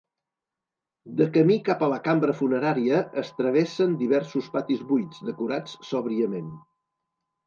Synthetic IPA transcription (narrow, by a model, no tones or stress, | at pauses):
d̪əkəmikapələkambɾəfunəɾaɾiəːst̪ɾəβ̞esənd̪iβɛɾsuspat̪izβujd͡zd̪əkuɾat͡ssɔβɾiəmen